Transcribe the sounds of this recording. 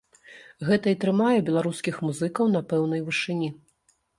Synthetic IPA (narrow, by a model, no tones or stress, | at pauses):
ɣɛt̪ɐit̪ɾɨmajɛbʲɛlˠaɾuskʲixmuzɨkɐwn̪ɐpɛwnɐjvɨʂɨnʲi